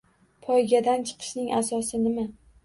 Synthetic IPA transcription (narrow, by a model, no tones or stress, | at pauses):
pʰɒjɡʲad̪ant͡ʃʰɨ̥qʰɨ̥ʃnɪŋʔasɒsɪnɪma